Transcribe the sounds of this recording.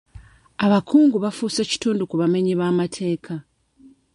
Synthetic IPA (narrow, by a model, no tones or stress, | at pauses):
aβakuːŋɡuβafuseci̥tuːndukuβame̞ɲiβaːmatʰe̞ːkʰa